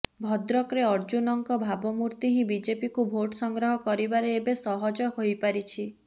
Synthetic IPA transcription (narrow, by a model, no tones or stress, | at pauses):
bʱɔd̪ɾɔkɾeɔɾd͡ʒunɔŋkɔbʱabɔmuɾt̪iɦĩbid͡ʒepikubʱoʈɔsɔŋɡɾɔɦɔkɔɾibaɾeebesɔɦɔd͡ʒɔɦojpaɾit͡ʃʰi